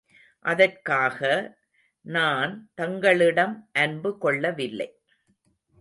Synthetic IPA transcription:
ʔɐðɐrkaːɣɐ | naːnt̪ɐŋɡɐɭɪɽɐmʔɐnbɯkɔɭːɐʋɪlːɐ̰ɪ

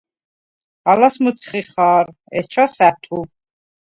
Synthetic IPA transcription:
alasmət̪sʰχiχaːɾ | ɛt͡ʃʰasæt̪ʰu

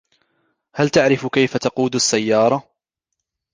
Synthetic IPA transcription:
halt̪aʕɾɪfkajfat̪ɑquːd̪asːajːɑːɾˤɑ

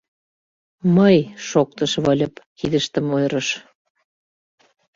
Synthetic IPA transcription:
məjʃok̚t̪ɤʃβɤlʲɤ̆pkiðəʃt̪ə̆mojɾəʃ

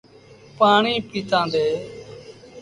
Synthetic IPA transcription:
paːɳiːpiːt̪ãːnd̪eː

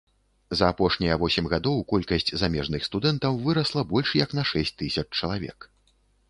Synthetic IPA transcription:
zɐːpɔʂnʲɐjɐvɔsʲɛmʲɣad̪ɔwkɔlʲkɐsʲt͡sʲzamʲɛʐnɨxst̪ud̪ɛnt̪ɐwvɨɾɐslˠɐbɔlʲʂjɐknɐʂɛsʲt̚ʲt̪ːɨsʲɐt͡ʂt͡ʂːɐlˠavʲɛ̰k

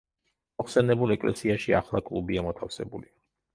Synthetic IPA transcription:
mɔχsɛnɛbulˠɛkʼlɛ̰siaʃia̰χlˠakʼlˠubiamɔt̪ʰafsɛ̰buli

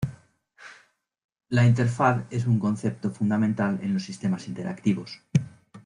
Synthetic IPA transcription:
laint̪e̞ɾfaθe̞s̬uŋkõ̞n̟θe̞p̚t̪o̞fund̪amẽnt̪ale̞̰nlo̞sːist̪e̞masint̪e̞ɾʔa̰kt̪iβos

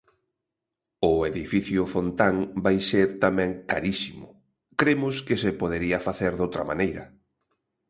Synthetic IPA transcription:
ʊeðifiθjʊfont̪aŋbajseɾt̪amɛ̃ŋkaɾisimʊ | kɾemʊskɪsepoð̞eɾiɐfaθeɾðowt̪ɾɐma̰nejɾɐ

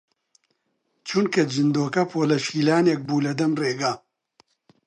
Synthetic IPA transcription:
t͡ʃʰunkɐd͡ʒɨnd̪oːkɐpʰoːlɐʃiːlaːnek̚buːlɐd̪ɐmreːɡaː

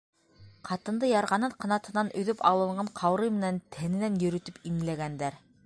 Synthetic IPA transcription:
qʰɑt̪ɤ̆nd̪ɤjɑɾʁɑnɤɴqɑ̆nɑt̪ɤ̆nɑnɵ̆ðɵpɑlˠɤ̆ɴɢɑɴqʰɑwɾɤjmɘ̆nænt̪ʰænɘ̆nænjɵ̆ɾɵ̆t̪ɵpimlæɡænd̪æɾ

